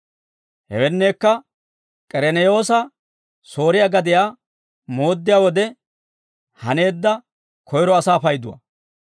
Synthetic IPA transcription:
hɛ̰wɛnːe̞ːkːɐ | kʼɛɾɛnɛjo̞ːsɐ | so̞ːɾɪjaɡɐd̪ɪjaː | mo̞ːd̪ːɪjaːwɔd̪ɛ | hɐne̞ːd̪ːɐ | kʰɔjɾɔɐsaːfɐjd̪ʊwɐ̰

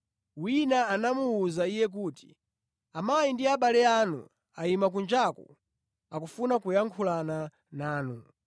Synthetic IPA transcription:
winaːnamuːzaijɛk̬uːti̥̰ | amajindiaɓalɛanṵ | aimak̬und͡ʒakṵ | akufunakujaŋkʰulana | naːnu

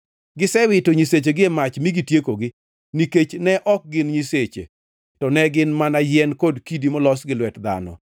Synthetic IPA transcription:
ɡɪsɛwɪtoɲiset͡ʃeɡɪemat͡ʃmiɡitjekoɡɪ | niket͡ʃnɛʔɔk̚ɡɪnɲiset͡ʃḛ | tɔnɛɡɪnmanajɛnkodkidimɔlɔsɡɪlwɛtd̪a̰nɔ̰

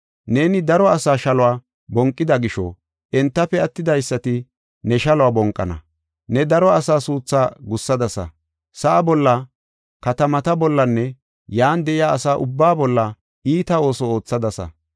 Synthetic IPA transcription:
ne̞ːnɪd̪ɐɾɔɐsaːʃɐlɔwaː | bɔŋkʼːɪd̪ɐɡɪʃɔ̰ | ʔɛnt̪ːɐpːɛɐt̪ːɪd̪ɐjsːɐt̪ɪ | nɛʃɐlɔwaːbɔŋkʼːɐnɐ̰ | nɛd̪ɐɾɔɐsaːsuːt͡sːaːɡʊsːɐd̪ɐsɐ̰ | sɐʔːbɔlːɐ | kɐt̪ɐmɐt̪ɐbɔlːɐnːɛ | jaːnd̪ɛʔɪjaːɐsaːʔʊbːaːbɔlːɐ | iːt̪ɐo̞ːsɔo̞ːt͡sːɐd̪ɐsɐ̰

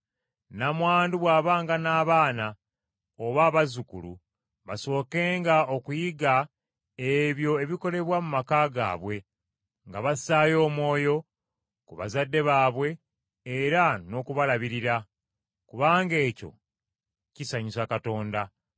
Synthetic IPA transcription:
namwaːnduβwaːβaːŋɡanaːβaːna | oβaːβazukṵlṵ | βaso̞ːke̞ːŋɡao̞kujiɡa | eβjo̞e̞βiko̞le̞βwamumakaːɡa̰ːβwe̞ | ŋɡaβasaːjo̞ːmwo̞ːjo̞ | kuβa̰zadːe̞βaːβwe̞ː | ɾano̞ːkuβalaβiɾiɾa | kuβaːŋɡe̞ːco̞̰ | cisaɲisakato̞ːnda

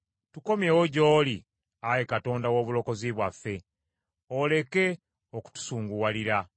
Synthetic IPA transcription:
tuko̞mjewoɟoːli | ajekato̞ːndawo̞ːβulo̞ko̞ziβwafːe̞ | ole̞ke̞ | oku̥tu̥suːŋɡuwaliɾa

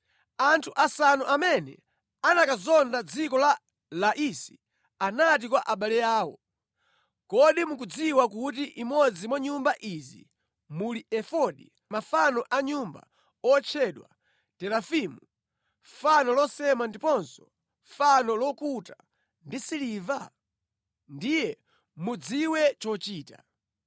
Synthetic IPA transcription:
antʰuʔasanuʔamɛnɛ̰ | anakazɔndad͡zikɔla | laʔisi̥ | anat̬ikwaʔaɓalɛjaːwɔ̰ | kɔɗimukud͡ziwakutiʔimɔd͡zimwaɲumbaʔizḭ | muliɛfɔɗḭ | mafanɔʔaɲumba̰ | ɔt͡ʃʰɛɗwa̰ | tɛlafimu | fanɔlɔsɛmandipɔnsɔ̥ | fanɔlɔkuta | ndisiliva | ndijɛ | mud͡ziwɛt͡ʃɔt͡ʃiːta

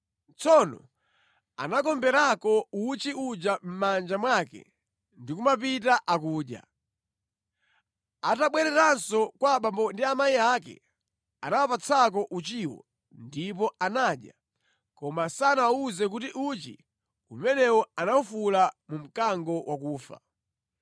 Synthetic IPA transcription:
t͡sɔnɔ̰ | a̰nakɔmbɛɾakɔut͡ʃiud͡ʒam̩mand͡ʒamwakɛ̰ | ndikumapitaʔakuːɗja̰ | ataɓwɛɾɛɾansɔkwaɓambɔndiamaiakɛ̰ | a̰nawapat͡sʰak̬ɔʔut͡ʃiwɔ̰ | ndipɔanaːɗja | kɔmasanauzɛk̬utiʔut͡ʃḭ | umɛnɛwɔanaufulamum̩kaŋɡɔwʔakuːfa̰

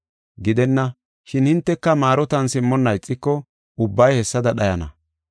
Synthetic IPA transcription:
ɡɪd̪ɛnːɐ | ʃɪnhɪnt̪ːɛkːɐmaːɾɔt̪ɐnsɪmːɔnːɐjt͡sʼːɪkːɔ | ʊbːɐjhɛsːɐd̪ɐɗɐjɐnɐ̰

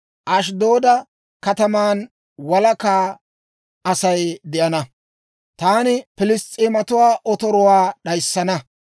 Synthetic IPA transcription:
ʔɐʃ̬d̪oːd̪ɐ | kɐt̪ɐmaːn | wɐlɐkaː | ɐsɐjd̪ɪʔɐnɐ | t̪aːnɪpɪlɪstʼːiːmɐt̪ʊwaːʔɔt̪ɔɾʊwaːɗɐjsːɐnɐ

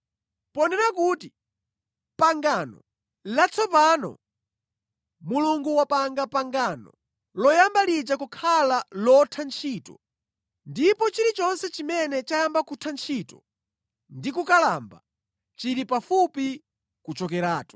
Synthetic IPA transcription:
pɔnɛnakuti | paŋɡaːnɔ̰ | lat͡sʰɔpanɔ̰ | muluŋɡuwapaŋɡapaŋɡanɔ̰ | lɔjambalid͡ʒakukʰalalɔtʰant͡ʃʰiːtɔ | ndipɔt͡ʃiɾit͡ʃɔnsɛt͡ʃimɛnɛt͡ʃajambakutʰant͡ʃʰitɔ | ndikukalamba̰ | t͡ʃiɾipafupi | kut͡ʃɔkɛɾaːtɔ̥

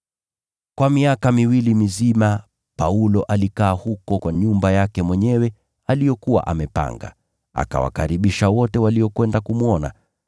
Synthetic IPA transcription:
kwamiakamiwilimizima | paulɔʔalikaːhukɔkwaɲumbajakɛmwɛɲɛwɛ | alijɔkuwa̰ʔamɛpa̰ŋɡa̰ | a̰ka̰wa̰ka̰ɾiɓiʃawɔtɛwaliɔkwɛndakumuɔna̰

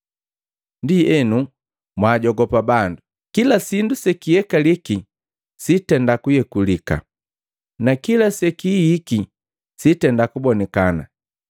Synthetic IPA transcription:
ndiɛnu | mwaːɟɔɡɔpabandu | kilasindusɛkijɛkaliki | sitɛndakujɛkulika̰ | nakilasɛkihiki | sitɛndakubɔnɛkana̰

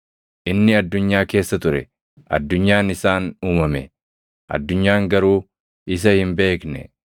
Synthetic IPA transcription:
ʔɪnːɪɐd̪ːʊɲːaːke̞ːsːɐt̪ʊɾɛ | ʔɐ̰d̪ːʊɲːaːnɪsaːnuːmɐmɛ̰ | ʔɐ̰d̪ːʊɲːaːŋɡɐɾuː | ɪs̬ɐhɪmbe̞ːknɛ̰

